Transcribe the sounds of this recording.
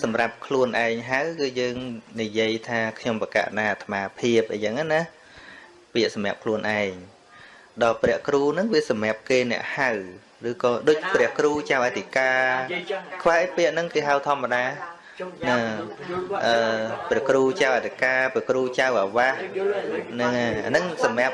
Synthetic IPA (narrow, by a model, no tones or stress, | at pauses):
sɑmrap̚kʰluənʔaɛŋɦawkɨːjəːŋnijiəjt̪ʰaːkʰɲompaka̰ːʔnaːt̪ʰəmaːpʰiəp̚ʔəjt͡ɕəŋana | piəʔsɑmɛ̆aəp̚kʰluənʔaɛŋ | ɗɑːprɛ̆əhkruːnɨŋʋiəsɑmɛ̆əp̚keːnɛ̆əʔhaw | rɨːkɑːɗoːc̚prɛ̆əhkruːt͡ɕawʔat̪ʰikaː | kʰʋahʔəjpiəʔnɨŋkeːɦawt̪ʰŏəmːaɗaː | nɨ | ʔəːprɛəhkruːt͡ɕawʔat̪ʰikaːpɛəhkruːt͡ɕawʔaʋah | nɨŋaa̰nɨŋsɑmɛ̆əp̚